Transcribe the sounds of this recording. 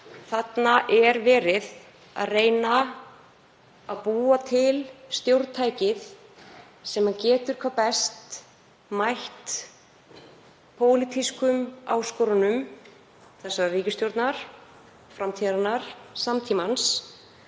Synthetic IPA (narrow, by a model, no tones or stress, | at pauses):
θat̪naʔɛɾvɛːɾɪð | a̰ðreːjna | aðpuːat̪ʰɪlst̪jowɾt̪t̪ʰaːjcɪð | sɛmhancɛːt̪ʏɾ̥kʰvaːpɛst̪ | majht̪ | pʰoːwlit̪ʰiskʏmawskɔːɾanʏm | θɛsːariːcɪst̪jowɾt̪naɾ̥ | fɾamt̪ʰiɾanaɾ̥samt̪ʰiːmans